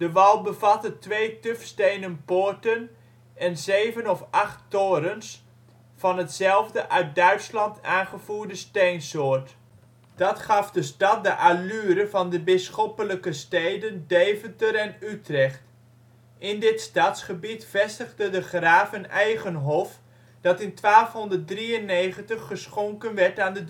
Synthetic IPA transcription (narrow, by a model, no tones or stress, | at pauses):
d̥əʋɑlˠbəvɑtətʋejtʏfstejnənpoːɹtən | ɛnzejvənɔfɑχtːoːɾəns | fɑnɦətsɛlˠvdəʔœɥt̚dœɥtslɑntʰaːnχəvuːɹdəstejnsoːɹt | d̥ɑtχɑfdəstɑt̚dəʔalyːɾəvɑndəbɪsχɔpələkəstejdəndeːvətəɾɛnytrɛχt | ʔɪndɪtstatsχəbitfɛstəɣdədəχraːvənɛjχənɦɔf | d̥ɑtɪntʋaːlˠfɦɔndərt̚driənejχəntəχːəsχɔŋkənʋɛɹtaːndəd